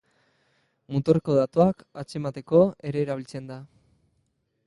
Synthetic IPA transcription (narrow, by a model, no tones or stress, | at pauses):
mut̪oreko̞ðat̪uakat͡ʃe̞mat̪e̞ko̞e̞ɾe̞ːɾaβ̞ilt͡se̞nd̪a